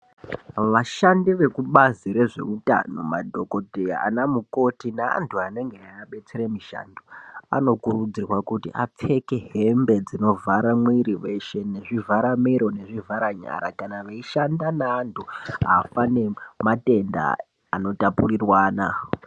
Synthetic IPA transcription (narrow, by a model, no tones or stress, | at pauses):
ʋaʃandiʋe̞kuɓaziɾe̞ʐe̞̰uta̰no̞̰ma̰dʱo̞ko̞dʱejaa̰namuko̞tinaa̰ntʰuane̞ŋɡeaːɓe̞t͡seɾemiʃa̰ndoa̰no̞kurud͡zirwakutḭʔa̰p͡fe̞ke̞ɦe̞mbed͡zino̞vʱaɾamwiɾiʋe̞ʃe̞ne̞ʐivʱaɾamiɾo̞ne̞ʐivʱaɾaɲa̰ɾa̰kanaʋeiʃandanaːntʰua̰fane̞mate̞nda̰ː | no̞tapurirwaːna̰